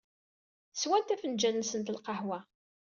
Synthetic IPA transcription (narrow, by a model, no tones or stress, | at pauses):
swænt̪æfənd͡ʒænːsənt̪əlqɑhwæ